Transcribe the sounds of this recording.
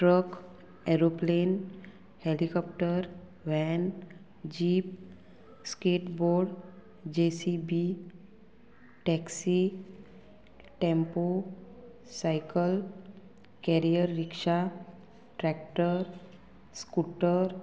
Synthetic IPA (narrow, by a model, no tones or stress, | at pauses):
ʈɾək | ɛɾoplen | helikɔp̚ʈəɾ | ʋɛn | d͡ʑiːp̚ | skeʈboɾɖ | d͡ʑesibi | ʈɛksi | ʈẽmpo | sajkəl | kɛɾijəɾːikʂa | ʈɾɛkʈəɾ | skuʈəɾ